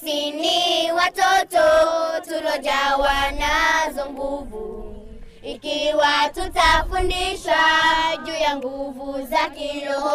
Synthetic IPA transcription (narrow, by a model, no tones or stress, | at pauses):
iniwatɔtɔtuɾɔd͡ʒawanazɔŋɡuvu | ikiwatutafundiʃad͡ʒujaŋɡuvuzakilɔ